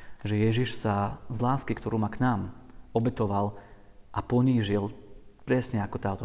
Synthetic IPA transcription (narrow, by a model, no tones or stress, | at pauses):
ʒɛjɛʒiʃsazlaːskikt̪ɔɾuːmaknaːmɔbɛt̪ɔʋal | ʔapɔɲiːʒilpɾɛsɲɛakɔt̪aːt̪ɔ